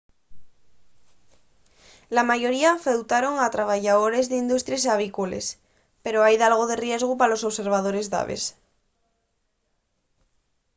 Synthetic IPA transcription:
lamaʝoɾiafewt̪aɾo̞ŋat̪ɾaβ̞aʝaðoɾezðeind̪ust̪ɾjes̬aβ̞ikolḛs | peɾoajðalɣ̞oðerje̞zɣ̞upalo̞soβse̞ɾβ̞að̞oɾe̞zða̰βḛs

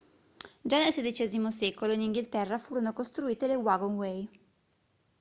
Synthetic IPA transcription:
d͡ʒanːelsed̪it͡ʃeːzimosɛːkoloiniŋɡilt̪ɛrːafuːɾonokost̪ɾuiːt̪elewaɡonwej

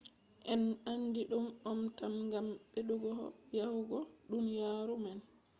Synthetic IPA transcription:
ʔɛnanːdiɗumɔmtamŋɡamɓeɗuɡɔhɔ̰jahuɡɔɗunjaːɾuman

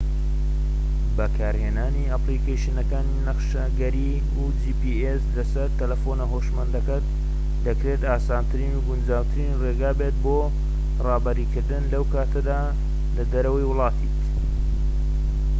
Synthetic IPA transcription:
bɐkʰaːɾheːnaːniapliːkejʃɪnɐkaːninɐχʃɐɡɐɾi | ud͡ʒiːpieslɐsɐɾt̪ɐlɐfonɐɦoʃmɐnd̪ɐkɐt̪̚ | d̪ɐkɾet̪aːsaːnt̪ʰɨɾiːnuɡund͡ʒaːwt̪ʰɨɾinreːɡaːbe̞t̪̚bo | rɑːbɐɾiːkɨɾd̪ɨnlɐwkʰaːt̪ʰɐd̪aː | lɐd̪ɐɾɐwɐjwʊlˠɑːt̪ʰiːk

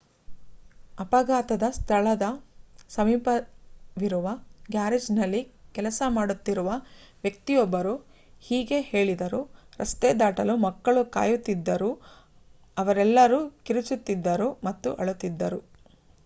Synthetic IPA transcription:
ɐpɐɡaːt̪ɐd̪ɐst̪ʰɐɭɐd̪ɐsɐmiːpɐʋiɾuʋɐɡjaːɾed͡ʒnɐlːikɛlɐsɐmaːɽut̪ːiɾuʋɐ | ʋjɐk̚t̪ijɔbːɐɾu | hiːɡe̞he̞ːɭid̪ɐɾuɾɐst̪ed̪aːʈɐlumɐkːɐɭuka̰ːjut̪ːid̪ːɐɾu | ɐʋɐɾɛlːɐɾuːkiɾut͡ʃut̪ːid̪ːɐɾumɐt̪ːuʔɐɭut̪ːid̪ːɐɾu

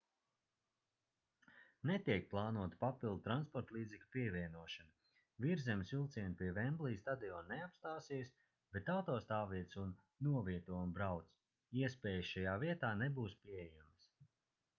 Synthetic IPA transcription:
net̪ʲiɛk̚plˠaːnuɔt̪papʲilˠd̪̚t̪ɾanspɔɾt̪lˠiːd̪zɛklʲupiɛvʲiɛnuɔʃana | viɾzɛmsvilˠt̪siɛnpʲiɛvɛmblˠiːst̪ad̪iɔnneapst̪aːsiɛs | b̥et̪ːawt̪ɔːst̪aːviɛt̪sunː | uɔviɛt̪uɔmbɾawt̪s | iɛspɛːjsʃajaːviɛt̪aːnebuːspʲiɛjums

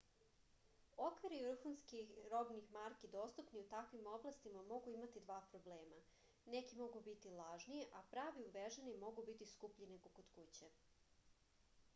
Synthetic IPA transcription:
okʋiɾiʋr̩xunskiɾobnixmaɾkid̪o̞ːst̪upniut̪akʋimo̞blˠast̪imamo̞ɡuimat̪id̪ʋaːpɾobleːma | nekimo̞ɡubit̪ilˠaʒnijeʔapɾaːʋiuʋeʒenimo̞ɡubit̪iskupʎinekokod̪kut͡ɕe

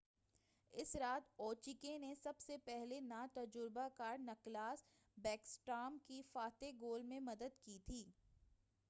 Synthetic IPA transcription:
ɪsɾaːt̪ɔːt͡ʃikenesɐbsepɛɦlenaːt̪ɐd͡ʒʊɾbakaːɾnɐklaːs | bɛːksʈaːmkifaːt̪eɡoːlmẽmɐd̪əd̪kit̪ʰiː

